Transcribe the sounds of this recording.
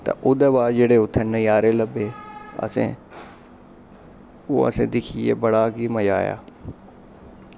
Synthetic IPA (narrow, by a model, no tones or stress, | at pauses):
t̪ɐ̰ʔʊd̪əʋaːd͡ʒeːɽeʊt̪ʰənɐjaːɾelɐbeɐ̰sḛ̃ | ṵɐ̰sẽd̪ɪkʰiebɐɽaːɡimɐd͡ʒaːja̰ː